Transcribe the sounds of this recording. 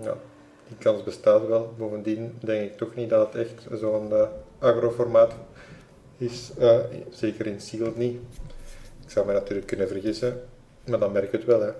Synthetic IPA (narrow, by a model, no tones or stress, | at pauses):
ja̰ | d̥ikɑnzbəstaːtʋɛlˠboːvəndindɛŋkɪk̚tɔxnit̚dɑdətɛxtzoːənaːɣroːfɔrmaːt | ɪsəz̥eːkəɾɪnsiːlˠni | ɪksɑwmɛnɑtyːrləkːɵnəvərɣisə | maːrdɑnmɛrkɪkətʋɛlˠɦɛ